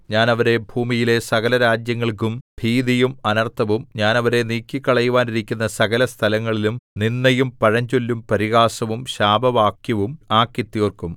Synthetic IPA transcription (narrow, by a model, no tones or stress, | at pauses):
ɲaːnɐʋɐɾe̞bʱuːmijile̞sɐɣɐlɐɾaːd͡ʑjɐŋːɐɭk̬umb̥ʱiːd̪ijumɐnɐrt̪ʰɐʋumɲaːnɐʋɐɾe̞niːkʲːikːɐɭɐjuʋaːniɾikʲːun̪ːɐsɐɣɐlɐst̪ʰɐlɐŋːɐɭilumninːɐjumpɐɻɐɲd͡ʑolːumpɐɾiɣaːsɐʋumɕaːbʱɐʋaːkjɐʋumaːkːjɐt̪ːiorkum